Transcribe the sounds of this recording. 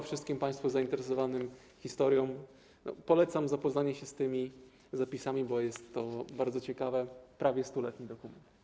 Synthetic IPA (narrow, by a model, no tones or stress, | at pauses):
fʂɘst̪kʲimpãj̃st̪fuzaint̪ɛɾɛsɔvanɘm | xʲist̪ɔɾjɔ̃m | nɔ̰pɔlɛt̪samzapɔznaɲɛɕɛst̪ɘmʲi | zapʲisamʲibɔjɛst̪ːɔbaɾd̪zɔt͡ɕɛkavɛpɾavʲjɛst̪ulɛt̪ɲid̪ɔkumɛnt̪